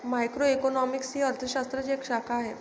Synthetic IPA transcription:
majkɾoekonɔmiksɦiəɾt̪ʰəɕast̪ɾəd͡ʑekʂakʰaːɦe

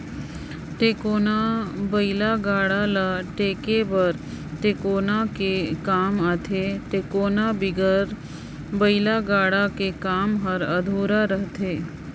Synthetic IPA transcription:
ʈeːkoːnabəɪlaɡaːɽalaʈeːkebəɾ | ʈeːkoːnakekaːmaːt̪ʰeʈeːkoːnabɪɡəɾ | bəɪlaɡaːɽakekaːmɦəɾɐd̪ʱuːɾaɾəɦt̪ʰeː

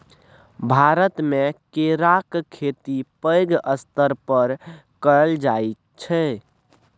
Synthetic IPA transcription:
bʱaɾət̪mekeɾakkʰːet̪ipəjɡəst̪əɾpəɾkəld͡ʒajt | t͡ʃʰɛ

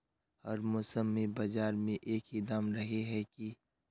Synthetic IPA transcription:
hɐɾmʊsəmːẽbɐd͡ʒaːɾmẽʔeːkɪd̪aːmɾɐɦeɦɛki

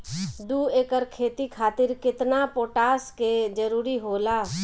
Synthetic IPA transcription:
d̪uːeːkəɾkʰeːt̪ikʰaːt̪ɪɾkɪt̪napoːʈaːsked͡ʒəɾuːɾiɦoːlaː

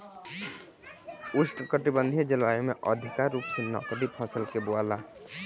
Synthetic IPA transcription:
usʈkəʈibənd̪ʱid͡ʒilʋajomeʔə̰d̪ʱikaɾːupsenɔ̰kəd̪ippʰɔ̃səlkeboala

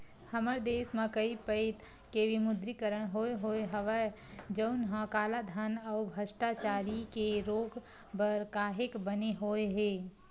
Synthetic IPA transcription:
həməɾd̪esmẽkəipəɪt̪ | kebimʊd̪ɾikəɾəɽ̃ɦoeɦoeɦəʋə | d͡ʒəʊnɦə̃kaːlad̪ʱənəʊbʱəsʈat͡ʃaɾikeɾoːɡ | bəɾkaːɦekbəneɦoeɦe

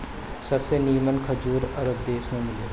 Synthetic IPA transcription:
sɐbseniːmənkʰɐd͡ʒuːɾɐɾəb̚d̪eːʃmẽmɪleː

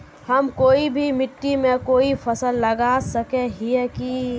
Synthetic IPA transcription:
hɐmkoːibʱimɪʈːimẽkoːipʰəsəlːəɡasəkeɦiɛki

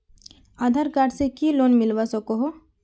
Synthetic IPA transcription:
aːd̪ʱaɾkaːɖsekiloːnmɪlʋasəkoɦo

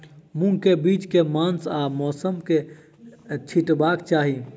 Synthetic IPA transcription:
mʊ̃ŋkebiːt͡ʃkemãːnsaːmɔːsəmke | t͡ʃʰɪʈbaːkt͡ʃaːɦi

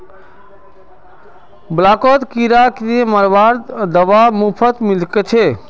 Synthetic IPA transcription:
blakɔt̪kiɾakɾieməɾbaɾd̪əʋamupʰət̪milket͡ʃʰe

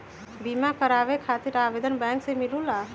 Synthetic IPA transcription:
bimakəɾaʋekʰat̪iɾaʋed̪ʱənbɛ̃ːŋksemilula

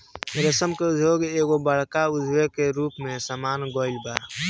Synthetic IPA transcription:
ɾəsəmkeʊd͡ʒʱjoːɡeːɡobəɽ̤kaʊd͡ʒʱʋekeɾuːpmẽsaːmaːnɡɔːɪlbaːɾ

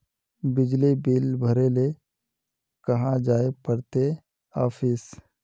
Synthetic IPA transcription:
bɪd͡ʒlibilbʱəɾele | kɐɦãd͡ʒaːepəɾt̪e | aːfɪs

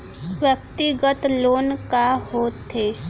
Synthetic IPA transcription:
pjək̚t̪iɡət̪loːnkahoːt̪eː

